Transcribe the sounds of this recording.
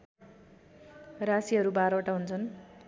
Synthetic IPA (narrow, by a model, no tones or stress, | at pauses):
rasiɦʌɾubaɾʌʈaɦunt͡sʰʌn